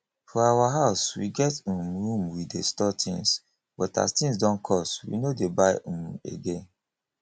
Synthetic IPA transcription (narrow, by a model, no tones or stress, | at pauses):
fɔawaɦaʊswḭɡɛtũmɹũmwidestɔtʰḭ̃ŋs | bɔta̰stĩŋsdɔ̃nkʰɔswḭnodebaɪ̃mḛɡẽn